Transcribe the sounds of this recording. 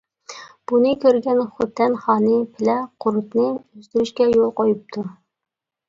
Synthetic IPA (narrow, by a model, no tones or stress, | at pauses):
b̥unɨkʲʰøɾɡʲɛnχʊt̪ʰːɛnχɑːnɨpʰɪlɛqʰʊɾut̪nɨyzt̪yɾyʃkʲɛjolˠqojup̚t̪ʰu